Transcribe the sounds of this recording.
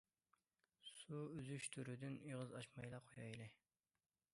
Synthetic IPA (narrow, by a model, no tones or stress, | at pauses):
suyzyʃt̪ʰyɾyd̪yniʁəzɑʃmɑjlˠɑqʰojɑ̰jlˠɨ